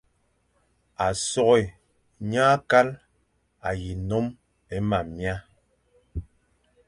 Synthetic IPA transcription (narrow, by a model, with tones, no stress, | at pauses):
a˨sɔ˦ɣɛ˨ | ɲaː˦ka˦l | a˨ji˨nɔ˦m | ɛ˦ma˨mja˦